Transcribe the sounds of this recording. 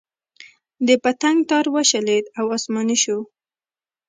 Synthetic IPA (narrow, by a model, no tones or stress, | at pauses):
d̪əpat̪aŋɡt̪ɑɾwaʃaled̪awɑsmɑniʃu